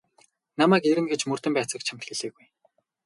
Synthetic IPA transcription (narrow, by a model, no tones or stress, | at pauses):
namæːkeɾɘ̆ŋɡĕt͡ɕmɵr̥t̪ɘ̆mpæːt͡sə̆kt͡ɕʰam̥t̪xeɮɘ̆ːɣuj